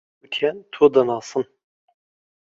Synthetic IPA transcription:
ɨkʰʲɛnt̪ʰoːd̪ɐnɑːsɨn

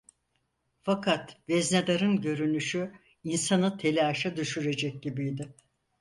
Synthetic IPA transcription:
fakʰat̪vɛzned̪aɾɯnɟø̞ɾynyʃy | insanɯt̪ʰe̞lʲɛːʃad̪yʃyɾe̞d͡ʒɛc̚ɟibijd̪ɪ

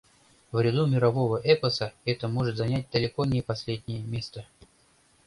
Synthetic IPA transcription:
vɾʲɪd̪umʲɪɾɐvo̞vəʔɛpəsəɛt̪əmoʐɨt̪zɐnʲæt̚ʲd̪əlʲɪkonʲɪpɐsʲlʲedʲnʲɪjəmʲest̪ə

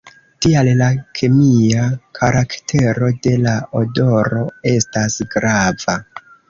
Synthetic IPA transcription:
tiallakʰemiakʰaɾaktʰe̞ɾo̞de̞laodo̞ɾo̞e̞stasɡɾav̥a

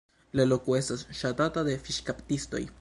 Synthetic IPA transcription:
lalokuestasʃat̪atad̪efiʃkapt̪ist̪o̞̰j

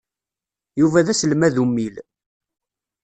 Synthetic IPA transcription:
juvæðæsəlmæðumːil

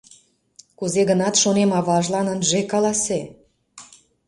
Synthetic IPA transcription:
kuzeɣənɑt̪ʃonemɑβɑʒlɑnənʒekɑlɑse

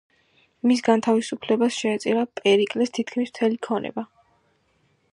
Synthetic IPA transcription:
mis̬ɡant̪ʰavisupʰlɛbasʃɛːt̪sʼiɾapʼɛɾikʼlɛst̪ʰit̪ʰkʰmism̥t̪ʰɛlikʰɔnɛ̰ba

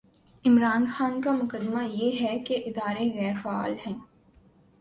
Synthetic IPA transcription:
ɪmɾaːnxaːnkamʊkəd̪majeɦɛkeʔɪd̪aːɾeɣɛːɾfɛa̰ːlɦɛ̃ː

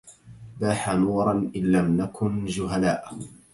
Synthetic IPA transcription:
baːħanuːɾˤɑnʔɪnːamnakʰʊnd͡ʒʊɦalaːʔ

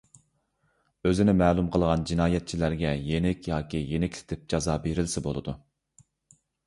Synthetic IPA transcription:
øzɪnɪmɛːlˠumqʰəlˠʁɑnd͡ʒinɑːjɛt̪̚t͡ʃʰilæɾɡʲɛjenɪkʲjɑːkʲijenɪkʲlʰɪ̥t̪ʰɪp̚d͡ʒɑzɑːbeɾɪlsɪbo̰lˠɨd̪u

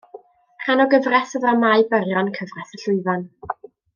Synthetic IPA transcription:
ranɔɡəvrɛθəðamajbərjɔnkʰəvrɛθəɬʊɨvan

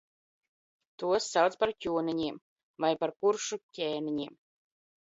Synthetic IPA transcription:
t̪uɔsːawt̪spaɾkʲuːniɲiɛm | vajpaɾkuɾʃucʲɛːnʲiɲiɛm

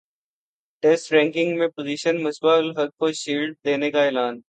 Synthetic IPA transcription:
ʈɛsʈɾɛ̃ːŋkɪ̃ŋɡmẽpoːziːʃənmɐsbaːlɦɐɡ̚koʃiːlɖ̚d̪eːnekaɛːlaːn

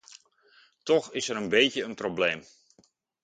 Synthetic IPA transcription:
tɔxɪsəɾənbejtjəənprobleːm

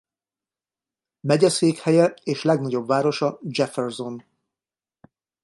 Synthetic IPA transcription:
mɛɟɛseːkhɛjɛeːʃlɛɡnɒɟo̞bːaːɾo̞ʃɒd͡ʒɛfɛrzo̞n

